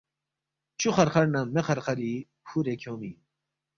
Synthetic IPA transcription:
t͡ɕʰuχɐɾχɐɾnɐmeχɐɾχɐɾi | huɾekʰoːmi

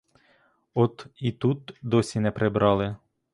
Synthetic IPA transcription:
ɔt̪it̪ut̪d̪ɔsʲinɛpɾebɾɑlˠɪ

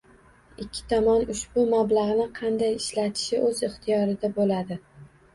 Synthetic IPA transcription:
ɪkʲʰːɪ̥t̪ʰɒmɒnʊʃbʊmablaʁnɪqʰɑnd̪ajɪʃlat̪ʰɪ̥ʃɪʔɵzɪχt̪ʰɪjɒɾɪd̪abolad̪ɪ

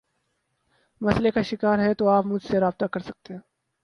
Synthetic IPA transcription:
mɐslekaʃɪkaːɾɦɛ̃t̪oaːpmʊd͡ʒʱseɾaːb̚t̪akɐɾsɐk̚t̪eɦɛ̃ː

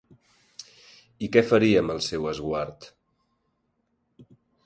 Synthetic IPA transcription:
ikɛfəɾiəməlˠsɛwəzɣwaɾt̪

